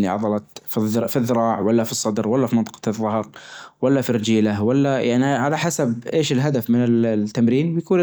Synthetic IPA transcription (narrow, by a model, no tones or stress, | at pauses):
lːḭʕɑ̰d̪ˤɑlɑt̪ffiðːɪɾˤɑːʕwalːafisˤːɑd̪ɾwalːafimɪnt̪ˤɑ̥qɑ̥ðːɑhɑɾwalːafirɪd͡ʒiːlawalːajaʕniʕalaħasabʔeːʃɪlɦad̪afmɪnɪlt̪ːamɾiːnbjakuːn